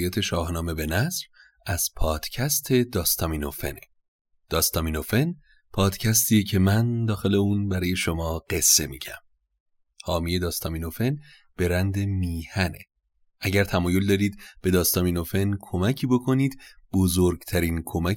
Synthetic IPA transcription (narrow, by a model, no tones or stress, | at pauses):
jæːt̪ʰe̞ʃɒːhnɒːme̞be̞næsv | æz̥pʰɒːd̪̥cʰæst̪ʰe̞d̪ɒːst̪ɒːmino̞fe̞̰ne | d̪̥ɒːst̪ɒːmiːno̞fe̞n | pʰɒːd̪̥cʰæst̪ʰiːjecʰe̞mænd̪ɒːxe̞le̞uːnbæɾɒːje̞ʃo̞mɒːɢ̥e̞sːe̞mḭɟæm | hɒːmije̞d̪ɒːst̪ʰɒmiːno̞fe̞n | b̥e̞ɾænd̪emiːhænḛ | ʔæɟæɾt̪ʰæmɒːjo̞ld̪ɒːɾiːd̪̚b̥e̞d̪ɒːst̪ɒːmiːno̞fe̞nkʰo̞mæcʰiːbo̞kʰo̞niːd̪̥b̥o̞zoɾɡt̪ʰæɾiːnkʰo̞mæ